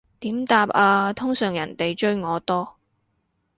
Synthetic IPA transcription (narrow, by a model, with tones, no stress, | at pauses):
t̪iː˨˥mt̪aː˧p̚aː˧t̪ʰʊ˥ŋsœː˨˩ŋjɐ̰˨˩nt̪e˨jt͡ʃɵ˥ɥŋɔː˨˧t̪ɔː˥